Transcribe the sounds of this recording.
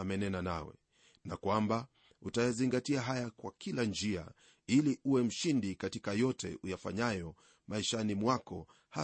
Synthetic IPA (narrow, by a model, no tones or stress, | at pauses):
amɛnɛnana̰wɛ̰ | nakwamba | utajaziŋɡatiaɦajakwakʰiland͡ʒia̰ | iliʔuwɛm̩ʃindikatikajɔtɛ̰ujafa̰ɲajɔ | maiʃanimwakɔ | ha